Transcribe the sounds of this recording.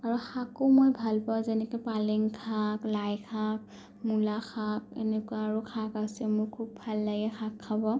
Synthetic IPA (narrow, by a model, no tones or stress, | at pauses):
aɹuxʰakomojbʱalpawzɛnɛkupalɛŋkʰaklajkʰak̚ | mulaxʰak̚ḛnɛkwaːɹukʰakasɛmʊɹkʰubbʱalːaɡɛxʰakʰːabɔ